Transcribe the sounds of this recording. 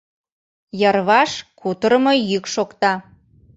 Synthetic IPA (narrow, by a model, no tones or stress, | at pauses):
jərβɑʃkʰut̪əɾəmojykʃokt̪ɑ